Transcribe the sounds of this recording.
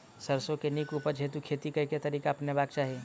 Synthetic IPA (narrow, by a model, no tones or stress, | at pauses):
sɐɾsõkeniːkuːpəɾd͡ʒʱet̪ukʰeːt̪ikɐket̪ɐɾiːkaɐpnebaːkt͡ʃaːɦeː